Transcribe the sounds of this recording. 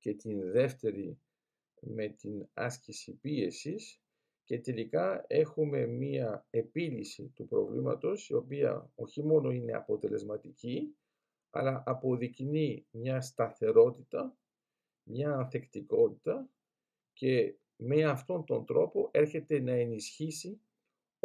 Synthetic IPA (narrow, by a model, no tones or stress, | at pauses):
ce̞t̪inðe̞ft̪e̞ɾi | me̞t̪inɐ̰scisipie̞sis | ce̞t̪e̞likɐe̞xume̞miɐe̞pilisḭt̪upɾo̞̰vlḭmɐ̰t̪o̞sio̞piɐ̰o̞çimo̞no̞ine̞̰ɐ̰po̞t̪e̞le̞zmɐt̪ici | ɐ̰lɐʔɐpo̞ðiknimɲɐst̪ɐθe̞ɾo̞t̪it̪ɐ | mɲɐːnθe̞kt̪iko̞t̪it̪ɐ | ce̞ | me̞ɐft̪o̞nt̪o̞nd̪ɾo̞po̞ʔe̞ɾçe̞t̪e̞nɐe̞nisçisi